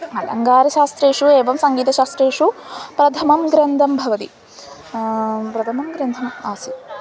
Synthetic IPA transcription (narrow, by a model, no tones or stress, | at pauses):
ɐlɐŋɡaːɾɐʃaːst̪ɾeːʂueːʋɐmsɐŋɡiːt̪ɐʃaːst̪ɾeːʂupɾɐt̪ʰɐmɐmɡɾɐnd̪ʱɐmbʱɐʋɐt̪i | pɾɐt̪ʰɐmɐmɡɾɐnd̪ʱɐmaːsi